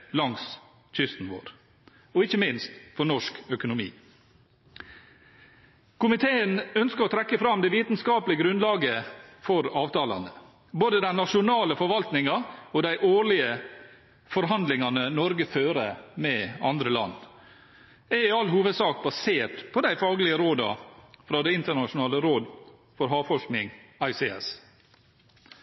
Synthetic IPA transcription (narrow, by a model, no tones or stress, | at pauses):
lɑŋs | c͡çʰʏst̪n̩ʋo̰ːɾ | ɔɪçːəmɪnst̪fɔɳɔʂkœkʊnʊmḭː | kʰʊmɪt̪ʰeːənœnskəɾɔt̪ʰɾɛkːəfɾɑmd̪ɛʋiːt̪nskɑːpəlɪəɡɾʉnd̪lɑːɡəfɔɾɑːʋt̪ʰɑːlɑ̰nd̪ə | boːd̪əd̪ænnɑʂʊnɑːləfɔɾʋɑlt̪nɪŋɑɔd̪æɪʔoːɭɪə | fɔɾɦɑnd̪lɪŋɑnənɔɾɡəføːɾəmɛɑ̰nd̪ɾəlɑ̰nː | ɛɾɪɑlɦuːʋəd̪sɑːk̚bɑseːʈpʰɔd̪æɪfɑːɡlɪəɾoːd̪ɑ̰fɾɑːd̪ɛɪnt̪əɳɑʃʊnɑːləɾoːd̪ | fɔɾɦɑːʋfɔʂknɪŋɑɪseɛ̰s